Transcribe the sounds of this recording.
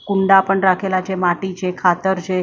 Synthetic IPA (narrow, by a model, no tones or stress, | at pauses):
kuɳɖapəɳɾakʰelat͡ɕemaʈit͡ɕekʰat̪əɾd͡ʑe